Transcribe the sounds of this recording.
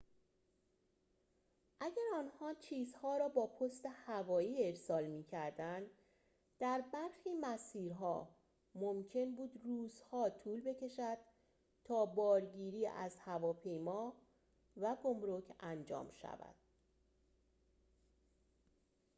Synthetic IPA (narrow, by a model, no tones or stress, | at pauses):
ʔæɟæɾɒːnhɒːt͡ʃʰiːzhɒːɾɒːbɒːpʰost̪e̞hævɒːiːe̞ɾsɒːlmiːcʰæɾd̪ænd̪ | d̪̥æɾbæɾxiːmæsiːɾɦɒ̰ː | mo̞mcʰe̞nbuːd̪ruːzhɒːt̪ʰuːlbe̞cʰe̞ʃæd̪̥ | t̪ʰɒːbɒːɾɟiːɾiːæ̰zhævɒːpʰe̞jmɒː | væɡo̞mɾocʰænd͡ʒɒ̰ːmʃæ̰væ̰d̪̥